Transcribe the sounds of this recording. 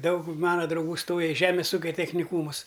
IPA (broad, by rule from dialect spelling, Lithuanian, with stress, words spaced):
ˈdɐʊk ˈmɑːnɐ drɐʊˈɡuː ˈstoːjɛ ɪ ˈʒʲæːmʲeːs ˈuːkʲɛ tʲɛxʲnʲɪˈkuːmʊs